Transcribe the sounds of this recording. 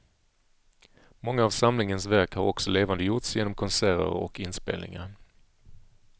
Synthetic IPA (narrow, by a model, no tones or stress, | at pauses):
mɔŋːaːvsamlɪŋənsvæɾkhaɾɔksɔleːvand̪əjʊʈsjeːnɔmkʰɔnsæːɾə̰ɾɔ̰kɪnspḛːlnɪ̰ŋaɾ